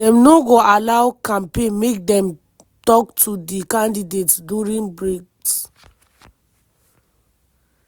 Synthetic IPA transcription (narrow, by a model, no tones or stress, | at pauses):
dɛ̃mnoɡoʔalawkãmpẽnmek̚dɛ̃m | tɔk̚tʰudikãndidetduɹĩnbɹeks